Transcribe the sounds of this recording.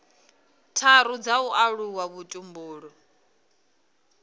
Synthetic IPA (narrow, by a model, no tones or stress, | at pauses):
tʰaɾud͡zauʔaɺuwaβutʼumbuːɺɔ